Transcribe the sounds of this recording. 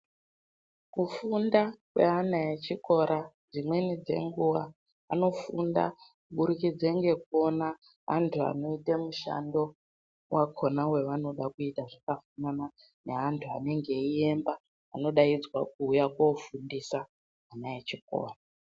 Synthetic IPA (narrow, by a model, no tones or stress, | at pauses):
kufundakwe̞̰ɦanaet͡ʃiko̞ɾʔa | d͡zimwe̞nid͡ze̞̰ŋɡuwa | a̰no̞funda̰kuɓuɾukid͡zeŋɡe̞kuo̞na | a̰ntʰua̰no̞itemuʃa̰ndo̞ | wʔakʰonawe̞ʋano̞ɗakuitaʐakafanana | ne̞ɦantʰuane̞ŋɡe̞iembaː | no̞ɗaid͡zwak̚uːjakwofundisa | anaet͡ʃiko̰ːra